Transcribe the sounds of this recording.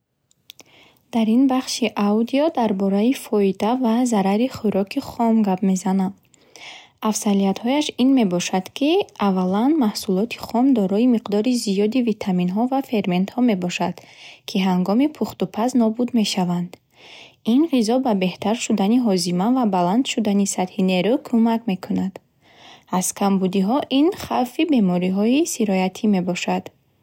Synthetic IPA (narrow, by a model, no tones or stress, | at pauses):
d̪̥aɾinbaχʃiʔawd̪iɔd̪aɾbɔɾaifɔid̪avazaɾaɾiχuɾɔkʰiχɔmɡabme̞zanad̪ | afsaliat̪hɔjaʃinme̞bɔʃad̪̥kʰiavalanmahsulɔt̪ʰi̥χɔmd̪ɔɾɔimiqd̪ɔɾizijɔd̪ivit̪ʰaminɦɔvafe̞ɾme̞nt̪hɔme̞bɔʃad̪̥kʰiɦaŋɡɔmipʰuχt̪upʰaznɔbud̪me̞ʃavand̪ | inʁizɔbabe̞ht̪ʰaɾʃud̪aniɦɔzimavabaland̪ʃud̪anisat̪hine̞ɾukʰumakme̞kʰunad̪̥ | az̥kʰambud̪iɦɔʔinχawfibe̞mɔɾiɦɔisiɾɔjat̪ʰime̞bɔʃad̪̥